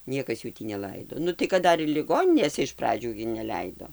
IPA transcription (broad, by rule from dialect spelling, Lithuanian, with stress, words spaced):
ˈnʲiɛkɐs ˈjuː tʲiː nʲɛˈlˠɐɪdoː ˈnʊ tɐɪ kɐt ˈdɐr ɪr lʲɪˈɡoːnʲɪnʲeːsʲɛ ɪʃ ˈprɑːd͡ʒʲuː ɡʲɪ nʲɛˈlʲɛɪdoː